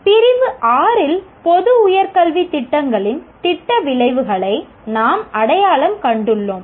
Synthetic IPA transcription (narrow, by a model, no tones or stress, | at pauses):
pɪrɪʋɯʔaːɾɪlpɔðɯʊjɐɾkɐɭʋit̪ɪʈːɐŋɡɐɭɪnt̪ɪʈːɐʋɪɭɐɪʋɯɣɐɭɐɪ | naːmɐɽɐjaːɭɐmkɐɳɖɯɭːoːm